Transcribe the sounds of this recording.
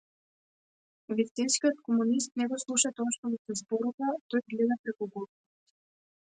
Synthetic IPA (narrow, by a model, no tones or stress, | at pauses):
vist̪inskʲijot̪kɔmunis̬t̪̚nɛɡɔslˠuʃat̪ɔaʃt̪ɔmɔsɛzbɔɾuvat̪ɔjɡlɛd̪apɾɛkuɡɔd̪ɔ